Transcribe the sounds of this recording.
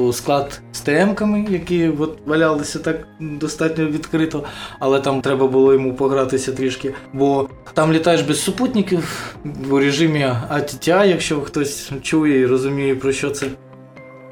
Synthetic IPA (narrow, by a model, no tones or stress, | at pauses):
sklˠɑt̪st̪ɛɛmkɐmɪjɐkiʋɔt̪ʋɐlʲɑlˠɪsʲɐt̪ɑkd̪ɔst̪ɑtʲnʲɔʋʲid̪kɾɪt̪ɔɐlˠɛt̪ɑmt̪ɾɛbɐbʊlˠɔjɔmupɔɦɾɑt̪ɪsʲɐt̪ɾʲiʃkʲɪbɔ | t̪ɑmlʲit̪ɑjeʒbʲɛssʊput̪ʲnʲɪkʲiwuɾʲeʒɪmʲiɐtʲitʲajɐkʃt͡ʃɔxt̪ɔsʲt͡ʃujɛiɾɔzʊmʲijɛpɾɔʃt͡ʃɔt̪sɛ